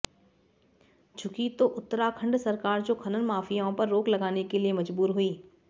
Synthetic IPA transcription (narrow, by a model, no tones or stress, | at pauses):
t͡ʃʰʊkit̪oːʔʊt̪ːəɾakʰɐ̃ɳɖsɐɾkaːɾd͡ʑoːkʰɐnənmaːfʰijãpɐɾːoːklɐɡaːnekeliemɐd͡ʒbuːɾɦuiː